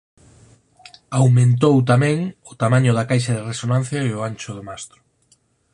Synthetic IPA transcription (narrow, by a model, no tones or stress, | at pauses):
awmẽnt̪̬owt̪amɛ̃ŋʊt̪amaɲʊðakajʃ̬ɐðɪresonãn̟θjaeʊant͡ʃʊð̞omast̪ɾʊ̥